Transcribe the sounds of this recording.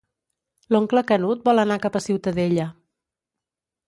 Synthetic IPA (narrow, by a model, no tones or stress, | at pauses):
loŋkləkənut̪̚bɔlˠənakapəsiwt̪əðeʎə